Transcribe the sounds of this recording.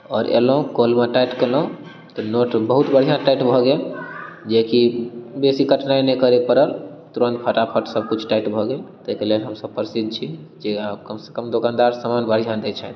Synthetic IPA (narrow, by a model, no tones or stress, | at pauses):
ɔɾḛlɦũkolmeʈaiʈkelɦũ | t̪ɔnoʈbəɦut̪bəɽ̤ijãʈaiʈbʱɔɡeld͡ʒekibesikəʈnaẽnɛkəɾepəɾəl | t̪uɾənt̪̚pʰəʈapʰəʈsəb̚kut͡ʃʰʈaiʈbʱɔɡelt̪ekɾleɦəmsəb̚pəɾsid̪̚t͡ʃʰi | d͡ʒeabkəmse̥kəmd̪okand̪aɾsamanbəɾ̤ijãd̪ɛt͡ʃʰɛ